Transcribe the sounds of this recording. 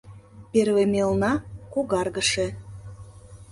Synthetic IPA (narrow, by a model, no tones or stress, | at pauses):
peɾβemelˠnɑkuɣɑrɣəʃe